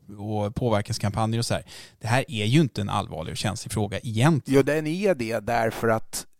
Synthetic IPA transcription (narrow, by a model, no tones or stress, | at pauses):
ɔpʰoːvæɾkaskʰampʰanjəɾɔsɔhæ̰ːɾd̪̥ɛɦæːɾæjɵɪnt̪əɛnʔa̰lːvɑ̰ːɭɪ̰ɡɕɛnslɪfɾoːɡaʔɪjɛnt̪juːd̪ɛnɛd̪ɛd̪æɾfœɾat̪